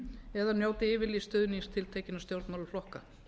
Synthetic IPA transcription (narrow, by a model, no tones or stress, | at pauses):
ɛðanjoːwt̪ɪɪːvɪlist̪œːðniŋst̪ʰɪlt̪ʰeːcɪnast̪jowɾt̪nmawlʏflɔhka̰